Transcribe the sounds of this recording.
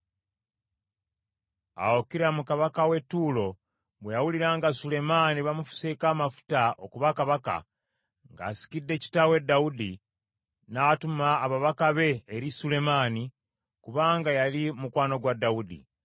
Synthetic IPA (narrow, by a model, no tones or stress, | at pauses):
a̰wokiɾamukaβakawe̞tːuːlo̞ | βwejawuliɾaːŋɡasule̞maniβamufu̥sekaːmafu̥taʔo̞kuβakaβaka̰ | ŋɡa̰ːsi̥kidːe̞ːci̥tawe̞dːaudi | natumaːβaβakaβe̞ːɾisule̞maːni | kuβaːŋɡajalimukwaːno̞ɡwadːaudḭ